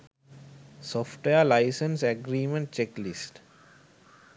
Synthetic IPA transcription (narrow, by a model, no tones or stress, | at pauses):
sɔːfʈʋeəlaɪsə̃nseɡɾiːmə̃ɳʈ̚t͡ʃeklisʈ